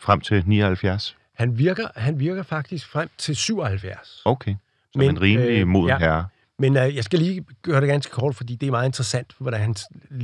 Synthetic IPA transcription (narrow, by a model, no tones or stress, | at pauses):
fʁam̰t͡sʰe̝lnḭːɒhælfjæɐs | hænʋiɐɡ̥ɐɦænʋiɐɡ̥ɐfɑ̈ɡ̥̚d̥isɡ̥fʁam̰t͡sʰe̝lsyʊ̰ɒhælfjæɐsoʊkʰeɪ | smeenʁiːmlimo̝ð̰ɦæɐ | menjɑ̈ɪsɡ̥æliːɡ̥ɶːɐɾe̝ɡ̥ænsɡ̥ə̥kʰɒ̰ːd̥fɒ̽d̥ḭːd̥e̝æɐmɑ̈ðˠe̝nd̥ʁɐsæn̰d̥ʋɒd̥ænhæns